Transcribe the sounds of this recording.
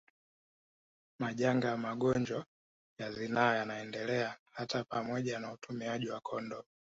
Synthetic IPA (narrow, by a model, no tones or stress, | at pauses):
maʄaŋɡajamaɡɔɲd͡ʒɔ | jazinaːjanaɛndɛlɛahatapamɔʄanautʰumiaʄiwakʰɔndɔ